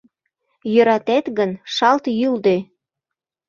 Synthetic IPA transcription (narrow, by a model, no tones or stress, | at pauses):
jøɾɑt̪æt̪ɣənʃɑlt̪jyld̪ø